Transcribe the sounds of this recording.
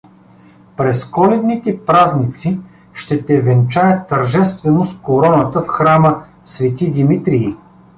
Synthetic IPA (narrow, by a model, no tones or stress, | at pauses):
pɾɛskɔlɛd̪nit̪ɛpɾaznit̪si | ʃt̪ɛt̪ɛvɛnt͡ʃajət̪ːəɾʒɛst̪vɛnoskoɾɔnət̪əfxɾamə | svɛt̪id̪imit̪ɾii